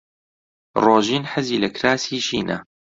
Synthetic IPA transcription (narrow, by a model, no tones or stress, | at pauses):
roːʒiːnħəziːlɐkɾaːsiːʃiːnɐ̰